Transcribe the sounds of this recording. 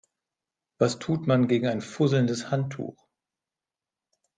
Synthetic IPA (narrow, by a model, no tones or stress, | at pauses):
v̥astʰuːtmanɡeːɡŋ̩aɪnfʊzl̩ndəshantʰːṵːx